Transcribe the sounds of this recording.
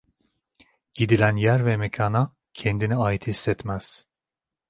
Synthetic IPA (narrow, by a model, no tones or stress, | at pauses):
ɟ̥id̪ilʲænjæɾvɛmecʰaːna | cʰɛnd̪iniaːjit̪ʰisːɛt̪mæz̥